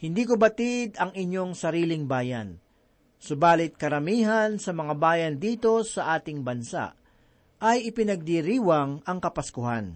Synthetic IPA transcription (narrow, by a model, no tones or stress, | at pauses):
hɪnd̪iːkobɐt̪ɪd̪ɐŋɪɲːo̞ŋsɐɾiːlɪŋbaːjɐ̰n | sʊbaːlɪt̪̚kɐɾɐmiːɦɐnsɐmɐŋabaːjɐnd̪iːt̪o̞sɐʔaːt̪ɪŋbɐnsa̰ʔ | ɐjɪpɪnɐɡ̚d̪iɾiːwɐŋɐŋkɐpɐskʊha̰n